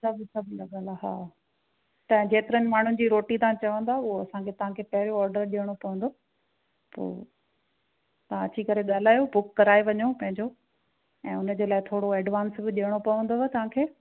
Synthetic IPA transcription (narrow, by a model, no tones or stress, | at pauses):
sɐbsɐbʱnd̪aɡaːlaɦa̰ː | t̪ɐ̃d͡ʑeːt̪ɪɾənɪ̆maːɳ̤ʊnɪ̆d͡ʑiːɾoːʈit̪aãt͡ɕɐʋə̃nd̪aʊɦoɐsãkʰet̪ɐʋ̤ãkʰeːpɐɦɪɾoɔːɾɖəɾɗiəɽ̃opɐʋə̃nd̪oː | po̰ː | t̪ɐʋãɐt͡ɕʰikɐɾeɠaːl̤aːjobʊkːɐɾaːeʋɐɲopɐ̃ɦɪ̃ɲd͡ʑo | ɛ̃ːʊnəd͡ʑeːlaːɪt̪ʰoːɽoɛːɖʋaːnsbɪɗiəɽ̃opɐʋə̃nd̪oɛt̪ɐʋ̤ãkʰeː